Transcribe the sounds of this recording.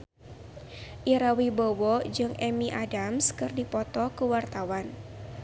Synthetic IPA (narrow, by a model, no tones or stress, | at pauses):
ʔiɾawibowɔd͡ʒɨŋʔɛmiʔadamskɨrdipɔt̪ɔkəwart̪awan